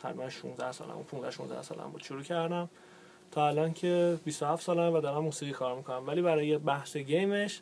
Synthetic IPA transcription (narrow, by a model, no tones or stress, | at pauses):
ɢ̥æ̰ɾibænʃṵnzd̪æhsɒ̰ːlæ̰mṵpʰũnzæ̰hʃunzd̪æ̰hsɒ̰ːlæ̰mbṵːd̪ʃuɾuːcʰæɾd̪æm | t̪ʰɒːælɒːncʰe̞bist̪ohæft̪sɒːlæmvæd̪ɒɾæmːusiːɣiːkʰɒːɾmikʰonæmvæliːbæɾɒːjebæhseɟe̞jmeʃ